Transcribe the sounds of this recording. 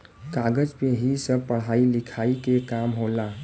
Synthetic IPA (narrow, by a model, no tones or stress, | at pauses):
kaɡəd͡ʒpeɦisəb̚pəɽ̤ailɪkʰaːikekamɦola